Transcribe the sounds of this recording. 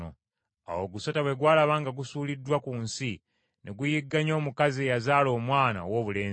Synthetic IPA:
o̰ | a̰wo̞ɡusotaβwe̞ɡwaːlaβaːŋɡaɡusuːlidːwakuːnsi | neɡujiɡːaɲo̞ːmukazieːjazaːlo̞ːmwaːna̰wo̞ːβule̞ː

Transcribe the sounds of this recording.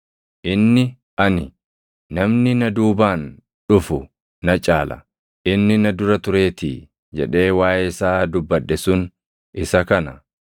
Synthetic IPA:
ʔɪnːɪ | ʔɐnɪ | nɐmnɪnɐd̪uːbaːn | ᶑʊfʊ | nɐt͡ʃʼaːlɐ̰ | ʔɪnːɪnɐd̪ʊɾɐt̪ʊɾe̞ːt̪ḭ | d͡ʒɛ̰ᶑe̞ːwaːʔɛsaːd̪ʊbːɐᶑːɛsʊn | ʔɪsɐkɐnɐ

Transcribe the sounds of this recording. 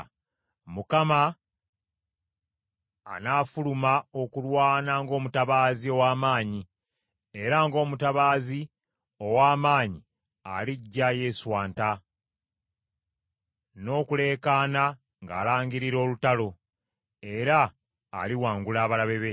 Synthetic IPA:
mukama | naːfulumao̞kulwaːnaŋɡo̞ːmutaβaːzio̞waːmaːɲi | e̞ɾaŋɡo̞ːmutaβaːzi | o̞waːmaːɲi | a̰liɟːaje̞ːswaːnta | no̞ːkule̞ːkaːna | ŋɡa̰ːlaːɲɡiɾiɾo̞ːlutalo̞ | e̞ɾa̰ː | liwaːŋɡulaːβalaβe̞βe

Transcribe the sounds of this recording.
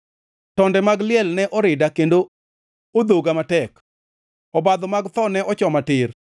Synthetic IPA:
tɔndɛmaɡlɪɛlnɛʔɔɾɪdakendo | od̪oɡamatɛk | ɔbad̪ɔmaɡt̪ɔnɛʔɔt͡ʃɔmatɪr

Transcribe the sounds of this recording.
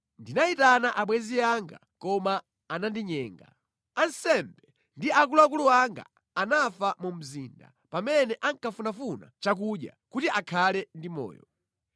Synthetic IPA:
ndinaitanaʔaɓwɛziaŋɡa̰ | kɔmaː | nandiɲɛːŋɡa̰ | ansɛmbɛ | ndiak̬uluak̬uluaŋɡa̰ | anafamum̩ziːnda̰ | pamɛnɛʔaŋkafunafuna̰t͡ʃak̬uɗja̰kutiʔakʰalɛndimɔ̰ːjɔ

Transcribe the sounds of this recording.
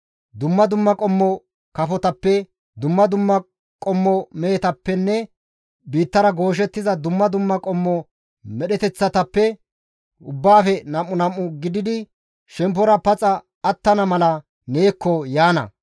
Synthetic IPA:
d̪ʊmːɐd̪ʊmːɐkʼɔmːɔ | kɐfɔt̪ɐpːɛ | d̪ʊmːɐd̪ʊmːɐ | kʼɔmːɔmɛt̪ɐpːɛnːɛ | biːt̪ːɐɾɐɡo̞ːʃ̬ɛt̪ːɪzɐd̪ʊmːɐd̪ʊmːɐkʼɔmːɔ | mɛɗɛt̪ɛt͡sːɐt̪ɐpːɛ | ʊbːaːfɛnɐmːʊnɐmːʊɡɪd̪ɪd̪ɪ | ʃɛmp̬ːɔɾɐpɐt͡sʼɐː | t̪ːɐnɐmɐlɐ | neːkːɔjaːnɐ̰

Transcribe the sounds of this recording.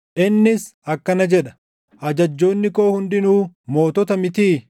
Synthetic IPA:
ʔɪnːɪsɐkːɐnɐd͡ʒɛᶑɐ̥ | ʔɐd͡ʒɐd͡ʒːo̞ːnːɪkoːhʊnd̪ɪnuːmo̞ːt̪ɔt̪ɐmɪt̪iː

